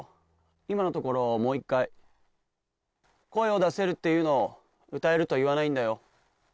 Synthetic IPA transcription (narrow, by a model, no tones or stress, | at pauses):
imano̞t̪o̞ko̞ɾo̞mo̞ːikːai | ko̞e̞o̞d̪ase̞ɾɯ̟t̪ːe̞jɯ̟ːno̞ː | ɯ̟t̪ae̞ɾɯ̟t̪o̞iβ̞anaĩnd̪ajo̞